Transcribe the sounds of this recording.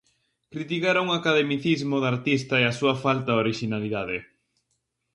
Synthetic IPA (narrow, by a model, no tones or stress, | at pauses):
kɾit̪ikaɾauŋakaðemiθizmʊðaɾt̪ist̪ɐeasuɐfalt̪aoɾiʃinaliðaðɪ